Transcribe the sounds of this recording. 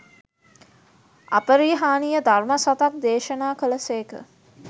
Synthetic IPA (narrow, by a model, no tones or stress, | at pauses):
a̰pəɾiːɦaːnijəd̪ʱarməsat̪ak̚d̪eːʃənaːkələseːkə̰